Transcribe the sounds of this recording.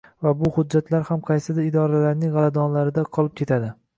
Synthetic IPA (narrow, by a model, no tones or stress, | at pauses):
vabʊhʊd̚d͡ʒːat̪ʰlaɾhamqʰɑjsɪd̪aɪd̪ɒɾalaɾnɪŋʁɑlad̪ɒnlaɾɪd̪aqʰɒlˠɪp̚kʲʰe̞t̪ʰad̪ɪ